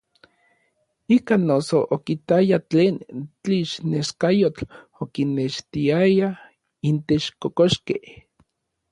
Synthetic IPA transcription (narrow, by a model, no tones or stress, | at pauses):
ikanːosoʔokit̪ajat͡ɬeːnt͡ɬiʃneskajot͡ɬ | okinːeʃt̪iaja | int̪et͡ʃkokoʃkeh